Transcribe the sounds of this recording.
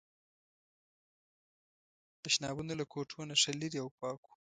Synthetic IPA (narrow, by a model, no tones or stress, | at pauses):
t̪aʃnɑbunolakʰoʈʰonaʂaliɾiawpɑku̥